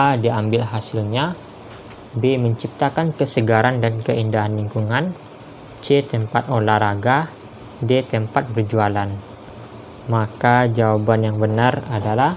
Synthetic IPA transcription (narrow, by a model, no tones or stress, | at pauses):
ʔadiambɪlɦasilɲa | beməɲt͡ʃip̚t̪akankəsəɡaɾandankəindaɦanliŋkuŋan | t͡ʃet̪ɛmpat̪̚olaɾaɡa | det̪əmpat̪̚bərd͡ʒualan | makad͡ʒawabanjaŋbənaradala